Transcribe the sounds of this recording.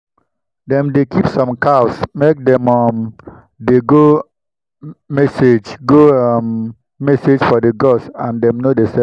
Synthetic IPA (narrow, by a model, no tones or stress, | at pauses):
dɛ̃mdekʰipsɔ̃mkaʊsmek̚dɛ̃mɔm | deɡo | mɛsed͡ʒɡomː | ɛsed͡ʒfɔdeɡɔsãndɛ̃mnodesɛ